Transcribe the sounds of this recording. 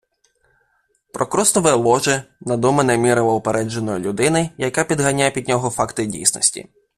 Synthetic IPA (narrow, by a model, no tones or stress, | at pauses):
pɾɔkɾɔst̪ɔʋɔlˠɔʒɪnɐd̪ɔmenɛmʲiɾɔʋɔɔpeɾɛd͡ʒenɔjɔlʲʊd̪ɪnɪjɐkapʲid̪ɦɐnʲajɛpʲid̪ʲnʲɔɦɔfakt̪ɪdʲḭjsnɔ̰sʲtʲḭ